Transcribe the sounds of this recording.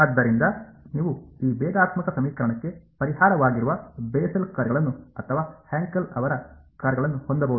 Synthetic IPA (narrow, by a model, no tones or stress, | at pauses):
ɐd̪ːɐɾind̪ɐniːʋuiːbɛːɡ̪aːt̪mɐkɐsɐmiːkɐɾɐɳɐkːe̞pɐɾihaːɾɐʋaːɡiɾuʋɐbeːsɐlkɐːɾɡɐɭɐnːuɐt̪ʰːɐʋaːheːŋkɐlɐʋɐɾɐkɐːɾɡɐɭɐnːuhond̪ɐbɐʋud̪